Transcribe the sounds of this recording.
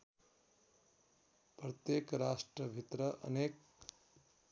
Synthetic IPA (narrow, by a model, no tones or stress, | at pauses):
prʌt̪jekɾasʈrʌbʱit̪ɾʌʔʌ̰nek